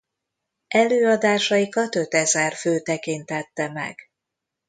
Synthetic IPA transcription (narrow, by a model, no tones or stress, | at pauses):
ʔɛløːɒd̪aːʃɒjikɒt̪ø̞t̪ɛzɛrføːt̪ɛkint̪ɛt̪ːɛmɛ̰ɡ̥